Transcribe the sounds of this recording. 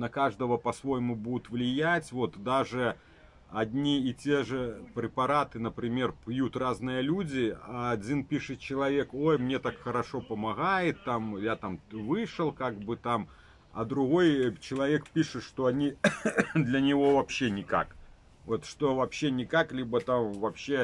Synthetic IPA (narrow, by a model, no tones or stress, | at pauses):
nɐkaʐd̪ɐvɐpɐsvojmubud̪ʊt̪vlʲɪjat͡sʲvɔt̪d̪aʐɨ | ad̪ʲnʲiːt͡sʲeʐɛpɾʲɪpaɾat̪ɨnɐpɾʲɪmʲerpjut̪raznɨjɐlʲud͡zʲɪaːd͡zʲinpʲiʂɨt̪t͡ɕɪlˠavʲɛkojmnʲɛt̪akxɐɾaʂɔpɐmaɣajɪt̪ːamjat̪amvɨʂəlˠkaɡ̚bɨt̪am | ɐ̰d̪ɾʊɣojt͡ɕɪlˠavʲɛkpʲiʂɨʂt̪oɐnʲi | d̪lʲɐnʲɪvovapɕːenʲɪka̰k | vot̪ʂt̪ovapɕːenʲɪkaklʲibɐt̪amvapɕːe